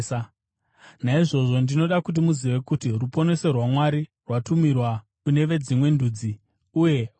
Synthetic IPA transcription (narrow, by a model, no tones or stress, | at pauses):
sa | naiʐo̞ʐo̞ndino̞ɗakut̬imuziʋe̞kutirupo̞ne̞se̞rwamwaɾi | rwatumirwa | kune̞ʋe̞d͡zimwe̞nduːd͡zi | uje̞